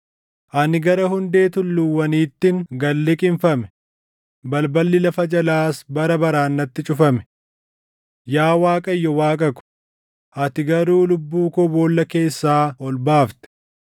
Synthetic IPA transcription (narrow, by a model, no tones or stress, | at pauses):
ʔɐnɪɡɐɾɐhʊnd̪e̞ːt̪ʊlːʊwːɐniːt̪ːɪŋɡɐlːɪkʼɪɱfɐmɛ̥ | bɐlbɐlːɪlɐfɐd͡ʒɐlaːsbɐɾɐbɐɾaːnːɐt̪ːɪt͡ʃʼʊfɐmɛ̥ | jaːwaːkʼɐjːɔwaːkʼɐkʊ̥ | ʔɐt̪ɪɡɐɾuːlʊbːuːkɔboːlːɐke̞ːsːaːɔlbaːft̪ɛ̥